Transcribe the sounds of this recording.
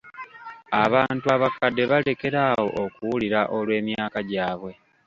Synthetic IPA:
aβaːntuaβakadːe̞βale̞ke̞ɾawo̞ʔokuwuliɾaʔolwe̞ːmjaːkaɟaːβwe̞

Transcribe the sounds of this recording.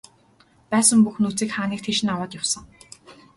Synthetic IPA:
pæːsə̆mpuxnut͡siːkχaːniːkt̪ʰeʃɪ̆nawaːt̪jʊwsə̆ŋ

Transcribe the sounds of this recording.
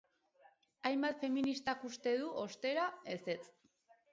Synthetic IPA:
ajmbat̪fe̞minist̪akust̪e̞ðuʔo̞st̪e̞ɾae̞se̞t͡s

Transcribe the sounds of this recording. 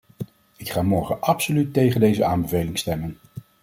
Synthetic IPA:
ɪkχaːmɔɹχənʔɑpsolytːejχəndejzəaːmbəvejlɪŋstɛmən

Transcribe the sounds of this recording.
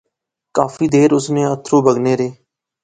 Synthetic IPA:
kaːfiːd̪eːɾʊsnẽːət̪ʰɾõːbʱəɡneːɾeː

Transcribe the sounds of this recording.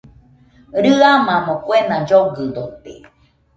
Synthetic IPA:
ɾɨamãmõkwenãd͡ʒoɡɨd̪ot̪ḛ

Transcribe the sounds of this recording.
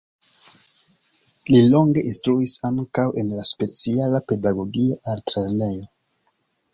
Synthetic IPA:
lilo̞ŋɡe̞ʔinstɾuisaŋkawʔe̞nlaspe̞t͡sialape̞daɡo̞ɡiaʔaɾtɾeɾne̞jo

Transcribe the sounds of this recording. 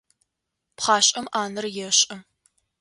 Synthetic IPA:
pχɑːɕʼɐmʔaːnɨrjɛɕʼɐ

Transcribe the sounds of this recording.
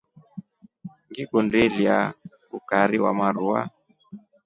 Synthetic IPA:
ŋɡiɡundɛlia | ukaɾiwa̰maɾua̰

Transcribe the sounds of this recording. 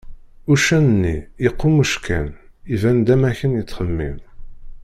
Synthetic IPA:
ʊʃænənːieqːuməʃkʰæ̰n | ivænd̪æmæçənjət͡sːχəmːḭm

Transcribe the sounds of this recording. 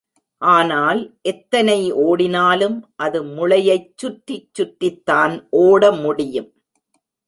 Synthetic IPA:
ʔaːnaːlʔɛt̪ːɐnɐɪoːɽɪnaːlɯmʔɐðɯmʊɭɐjɐɪt͡ʃːʊʈːɪt͡ʃːʊʈːɪt̪ːaːnʔoːɽɐmʊɽɪjɯm

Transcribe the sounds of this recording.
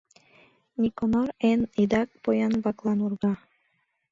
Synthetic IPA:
nʲikonoɾenid̪ɑk̚pojɑnbɑklˠɑnurɣɑ

